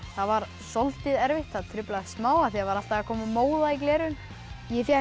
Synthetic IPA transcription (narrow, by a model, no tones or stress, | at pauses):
θavaɾ̥ | sɔlt̪ɪðɛɾvɪht̪θaðt̪ʰɾʏplaðsmaːwaθiavaɾal̥t̪aɣakʰɔːmamoːwðaiklɛːɾʏn | jɛfja